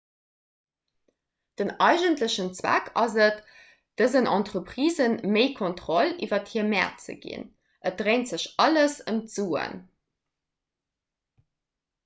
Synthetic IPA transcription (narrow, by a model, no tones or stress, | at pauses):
d̥ənɑɪʒəntləɕənt͡swæ̰kʰɑzət | d̥əzənʔɑntʁəpχiːzənməɪkʰontχolivɐthiːɐmæ̰ːɐt̚t͡sə̰ɡḭn | ʔət̚d̥ʁeɪntz̥əɕɑləsəntz̥uːə̰n